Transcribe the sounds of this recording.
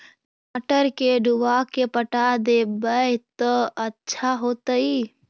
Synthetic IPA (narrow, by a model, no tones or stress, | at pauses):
n | aʈəɾkeɖuʋakepəʈad̪ebəjt̪ɔətːʃʰaɦot̪əi